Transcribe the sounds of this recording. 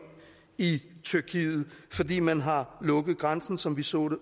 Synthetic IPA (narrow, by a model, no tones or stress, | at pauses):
it͡sʰyɐkʰḭːð̩ˠfɒ̽dḭːmænɦɑ̈lɔ̽ɡ̥əð̩ˠɡ̥ʁansn̩sɒ̽mʋisɔ̰̽ːɾ̥e